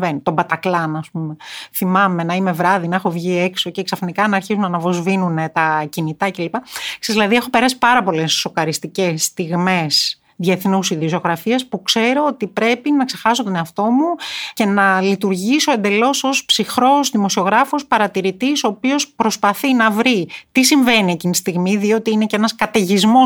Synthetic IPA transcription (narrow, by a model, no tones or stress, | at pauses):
venit̪o̞bɐt̪ɐklɐnɐspume̞θimɐme̞nɐime̞vɾɐðinɐexo̞vʝie̞kso̞ceːksɐfinikɐnɐːɾçizunɐnɐvo̞zvinune̞t̪ɐcinit̪ɐce̞lipɐsezðilɐðie̞xo̞pe̞ɾɐsi̥pɐɾɐpo̞le̞sːo̞kɐɾist̪ice̞st̪iɣme̞s | ðjieθnusiðioso̞ɣɾɐfiɐspukse̞ɾo̞ot̪ipɾe̞pinɐkse̞xɐsot̪o̞ne̞ɐft̪o̞muce̞nɐlit̪uɾʝiso̞e̞nd̪e̞lo̞so̞spsixɾo̞zðimo̞sio̞ɣɾɐfospɐɾɐt̪iɾit̪iso̞ːpio̞spɾo̞spɐθinɐvɾit̪isiɱve̞niecinist̪iɣmiðio̞t̪iinecenɐskɐt̪e̞ʝizmo